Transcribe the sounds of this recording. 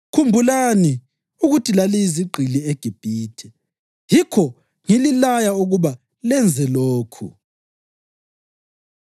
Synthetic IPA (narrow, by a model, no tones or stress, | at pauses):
kʰumbʱulani | uɣutʰilaliiziɡ͡ǃʱilieɡ̥ʱib̥ʱiːtʰɛ | jikʰɔ | ŋililajauɣuβa | lɛnd͡zʱɛloːkʰṵ